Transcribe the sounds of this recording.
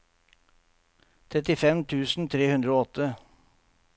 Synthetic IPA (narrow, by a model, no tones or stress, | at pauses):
t̪ʰɾɛt̪ɪfɛmt̪ʰʉːsn̩t̪ʰɾeːhʉnd̪ɾəoːɔt̪ə